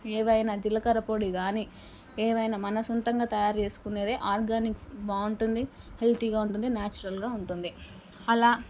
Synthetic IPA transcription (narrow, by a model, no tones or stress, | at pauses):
eːʋɐjnaːd͡ʒilːɐkɐɾɐpo̞ːɽiɡaːniː | eːʋɐjnaːmɐnɐsɔnt̪ɐŋɡaːt̪ɐjaːɾt͡ʃe̞ːsu̥kuneːd̪eːʔaːɾɡaːnikʋaːuɳʈund̪i | he̞lt̪iɡaːuɳʈund̪inaːt͡ʃuɾɐlɡaːuɳʈund̪i | ɐlaː